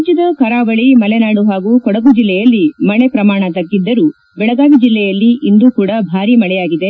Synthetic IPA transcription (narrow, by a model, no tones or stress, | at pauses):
d͡ʒɐd̪ɐkɐɾaːʋɐɭimɐlenaːɽuɦaːɡuːkɔɽɐɡud͡ʒilːɛjɐlːimɐɭepɾɐmaːɳɐt̪ɐɡːid̪ːɐɾu | bɛɭɐɡaːʋid͡ʒilːɛjɐlːiʔind̪uːkuːɽɐbʱaːɾimɐɭɛjaːɡid̪e̞